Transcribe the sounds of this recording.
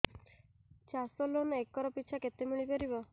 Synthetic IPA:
t͡ʃasɔlonekːɔɾɔpiːt͡ʃʰaket̪emiɭipeɾibɔ

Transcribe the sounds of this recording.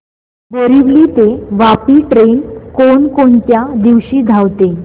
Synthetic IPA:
bəɾiʋliːt̪eʋapiːʈɾenkoɳkoɳt̪jad̪iʋɕiːd̪ʱaʋt̪e

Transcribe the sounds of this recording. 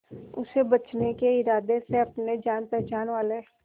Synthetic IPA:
ʊ̰sebɐt͡ʃnekeɪɾaːd̪eseɐpned͡ʒaːnt̪ɛd͡ʒaːnʋaːle

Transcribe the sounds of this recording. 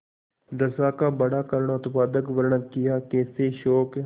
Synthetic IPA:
d̪əsaːkaːbəɽaːkəɾəɳaʊt̪paːd̪əkʋəɾɳakɪjaːkeːseːʃɔːk

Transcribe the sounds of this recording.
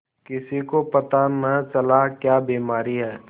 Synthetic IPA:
kɪsikopɐt̪amɛ̃t͡ʃɐlakjaːbiːmaːɾiɦɛː

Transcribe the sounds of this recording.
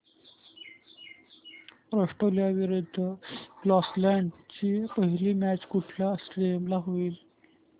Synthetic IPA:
pɾəʂʈoljaʋiɾud̪ʱːəblɔslæɳɖt͡ɕiːpəɦiliːmæt͡ɕkuʈʰlasʈɾiemlaɦoiːl

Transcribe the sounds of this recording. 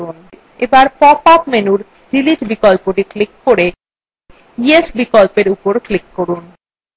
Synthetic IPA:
un | ebaɾpɔpapmenuɾ | ɖiliʈbikolpoʈiklikːoɾe | iesbikolpeɾupoɾklikːoɾun

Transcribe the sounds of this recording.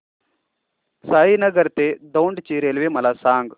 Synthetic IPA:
saːɦinɐɡɐɾt̪eːd̪ɐwɳɖt͡ʃiːɾeːlʋemɐlaːsaːŋɡ

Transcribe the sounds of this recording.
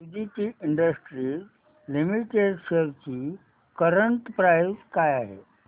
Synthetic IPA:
udiʈiːʔiɳɖəsʈɾiː | limiʈeɖɕəɾt͡ɕiː | kəɾəɳʈpɾajskajaɦḛ

